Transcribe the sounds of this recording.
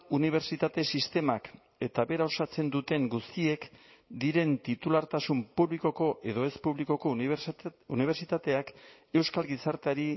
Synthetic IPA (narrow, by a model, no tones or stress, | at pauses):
uniβ̞e̞ɾt͡ʃit̪at̪e̞sist̪e̞mak | e̞t̪aβe̞ɾao̞sat͡se̞nd̪ut̪e̞ŋɡust̪ie̞k | d̪iɾe̞nt̪it̪ulaɾt̪asumpuβliko̞ko̞ʔe̞ðo̞e̞spuβliko̞ko̞ | uniβeɾt͡ʃit̪at̪e̞ak | e̞wskalɣisaɾt̪eaɾi